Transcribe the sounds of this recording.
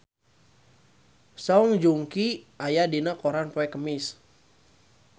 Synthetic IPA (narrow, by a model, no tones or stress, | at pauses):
sɔŋd͡ʒuŋki | ajadinakoɾanpoɛkəmɪs